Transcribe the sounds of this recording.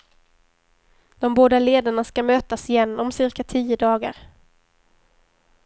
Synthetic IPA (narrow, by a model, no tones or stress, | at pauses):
d̪̥ɔmboːd̪aleːd̪aɳaskamøːt̪asɪjɛnːɔmsɪɾkat̪ʰiːəd̪ɑːɡa̰ɾ